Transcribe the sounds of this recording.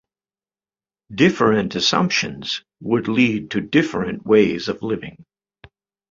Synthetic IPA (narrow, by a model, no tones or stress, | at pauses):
dɪfə˞ɨ̃ntɨsʌ̰̃mpʃɨ̃nz̥ | wədˡlid̚tʰɨdɪfɨ̃nʔweɪzʌvlɪvɪ̰̃ŋ